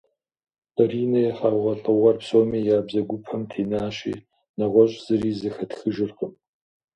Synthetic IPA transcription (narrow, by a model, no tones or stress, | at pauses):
riːnɐjɛχɑːʁɐɬʼɨʁɐrpsoːmiːjaːbzɐɡʷʊpʰɐmtʰeːnaːɕḭː | nɐʁʷɔɕʼz̥ɨɾiːzɐxɐtxɨʒɪrqəm